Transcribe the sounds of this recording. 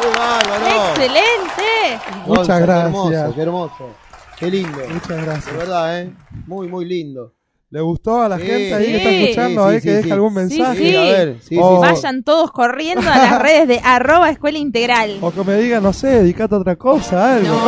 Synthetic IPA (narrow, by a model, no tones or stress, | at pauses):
alaoselent̪emuot͡ʃaɣɾamsosakeɾmosokelind̪omut͡ʃaɣɾasjaβeɾðaemujmujlind̪o | leɣust̪oalaxenneaikest̪aeskut͡ʃand̪oekkeðexalɣunmẽnsaxeaβeɾsiobaʒant̪oðoskorjend̪oaareðezðeʔaroβaeskwelaint̪eɣɾalokemeðiɣanoseðeðikat̪̬eot̪ɾakosaalɣo